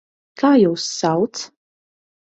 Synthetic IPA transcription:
kʰajowsːawt͡sʰ

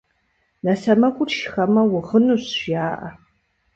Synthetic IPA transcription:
nɐsɐmɐkʷʼʊrʃxɐmɐwʊʁənuɕɕjaːʔɐ̰

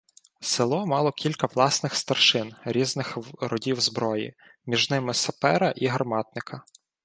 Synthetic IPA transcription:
sɪlˠɔmɑlˠɔkʲilʲkɐʋlˠɑsnɪxst̪ɐrʃɪnɾʲiznɪxɾɔdʲiwzbɾɔjḭ | mʲiʒnɪmɪsɐpɛɾɐʔiɦɐrmɑt̪nɪkʰɐ

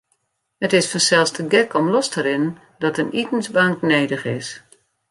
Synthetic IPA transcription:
hətɪsfɔnsɛlˠstəɡɛkɔmlɔstəɾɪnn | dɔtənitən̩sbaŋkneːdəxɪs

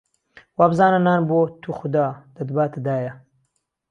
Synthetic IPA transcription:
wabzaːnɐnaːnboːt̪ʰuxʊd̪aːd̪̥ɐd̪baːt̪ʰɐd̪aːjɐ

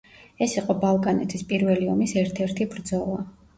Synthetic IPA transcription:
ɛsiqʼɔbalˠkʼanɛ̰t̪ʰispʼiɾvɛliɔmisɛɾt̪ʰɛɾt̪ʰibɾd̪zɔlˠa

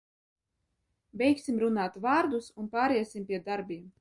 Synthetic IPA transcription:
bʲɛjkʲsimɾunaːt̪vaːɾd̪usunpaːɾiɛsʲimpʲiɛd̪aɾbʲiːm

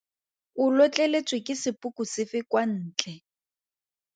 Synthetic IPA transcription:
ʊlɔt͡ɬʼɛlet͡sʼwɪkʼɪsɪpʼukʼusɪfɪkwan̩ːt͡ɬʼɛ

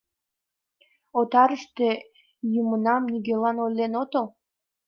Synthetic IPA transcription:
ot̪ɑɾəʃt̪e | jumənɑmniɡelɑnolʲːenot̪əl

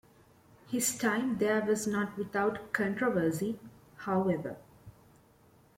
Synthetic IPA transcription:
hɪzʈʰãɪ̃md̪eːʋɔznɔːʈʋɪt̪aʊʈkʰɔ̃ɳʈɾoʋəɾsihaʊɛʋə̰

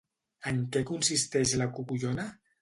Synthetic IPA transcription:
əŋkɛkunsist̪ɛʃlakukuʎona

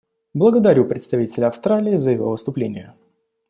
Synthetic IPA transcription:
blˠəɡəd̪ɐɾʲupɾʲɪt̪st̪ɐvitʲɪlʲəɐfst̪ɾalʲɪːzəjɪvovɨst̪ʊplʲenʲɪjʊ

